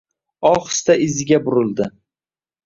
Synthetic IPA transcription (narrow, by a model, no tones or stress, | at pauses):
ɒχst̪aɪzɪɡʲabʊɾɪlˠd̪ɪ